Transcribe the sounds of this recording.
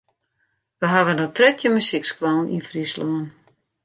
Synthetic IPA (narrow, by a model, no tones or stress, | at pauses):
ʋəɦaʋənowtrɛtʰjəmysikskʋalˠnḭnfrisloən